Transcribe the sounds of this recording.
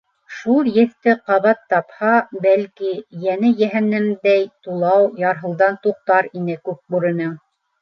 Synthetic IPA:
ʃulˠjɘ̆θt̪ɘqɑβɑt̪ːɑphɑbælkijænɘjæɦænɘmd̪æjt̪ulˠɑwjɑɾɦɤ̆lˠd̪ɑnt̪uq̚t̪ɑɾinɘkʉp̚buɾɤ̆nɤŋ

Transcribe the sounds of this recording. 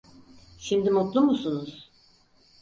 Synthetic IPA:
ʃimd̪imut̪lˠumusunuz̥

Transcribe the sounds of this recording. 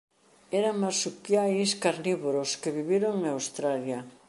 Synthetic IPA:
ɛɾaŋmasukjajskaɾniβoɾoskeβiβiɾoŋawst̪ɾalja

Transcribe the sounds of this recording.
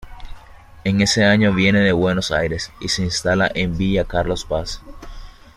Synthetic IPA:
e̞ŋe̞se̞aɲo̞βje̞ne̞ðe̞βwe̞no̞sa̰jɾe̞sise̞inst̪ala̰ʔe̞mbiʎakaɾlo̞spas

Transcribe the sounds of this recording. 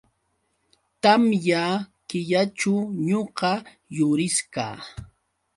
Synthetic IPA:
t̪amjakɪʎaʈ͡ʂʊɲoqɑ | jʊɾɪska̰ː

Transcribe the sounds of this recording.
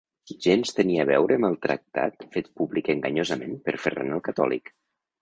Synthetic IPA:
ʒenst̪əniəβɛwɾəməlˠt̪ɾə̰k̚t̪a̰t̪fet̪̚publikəŋɡəɲozəmenpəɾferḛnəlˠkət̪ɔ̰lˠḭk

